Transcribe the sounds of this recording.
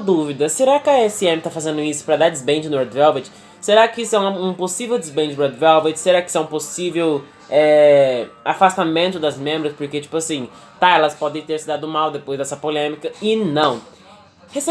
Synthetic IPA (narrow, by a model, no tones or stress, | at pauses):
d̪uvid̪ɐseɾakɪɐɛsiẽmɪt̪afazẽnd̪ʊisʊ̥pɾɐd̪aɾd͡ʒɪzbẽd͡ʒɪnɔɾd̪vɛlbɛt͡ʃ | seɾakɪisʊɛũɐũposivewd͡ʒ̪ɪzbẽd͡ʒɪd̪ɛɾd̪vɛlbɛt͡ʃseɾakɪisɛũposivew | ɛ | afast̪amẽnt̪ʊd̪ɐzmẽmbɾɐspoɾket͡ʃi̥pʊasĩ | t̪aɛlɐspɔd̪ẽj̃t̪eɾsɪd̪ad̪ʊmawd̪epojzd̪ɛsɐpolẽmikɐɪnɐ̃w̃ | hese